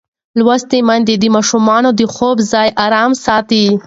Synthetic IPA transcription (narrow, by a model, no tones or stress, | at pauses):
lwast̪emand̪ed̪əmɑʃumɑnod̪əxobzɑjʔɑɾɑmsɑt̪i